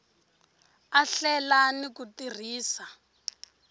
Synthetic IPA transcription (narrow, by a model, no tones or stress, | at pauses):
aɬɛlanikutir̤iːsa